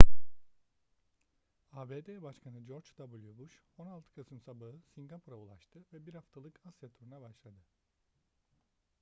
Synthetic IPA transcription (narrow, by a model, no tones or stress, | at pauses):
aːbeːd̪ebaʃkʰanɯd͡ʒo̞ɾd͡ʒd̪̥abulʲˠjubuʃo̞nalˠt̪ʰɯ̥kʰasɯmsabaɦɯsiŋɡapʰuɾaulˠaʃt̪ʰɯvɛbiɾhaft̪ʰalˠɯkʰasjat̪ʰuɾunabaʃlˠad̪ɯ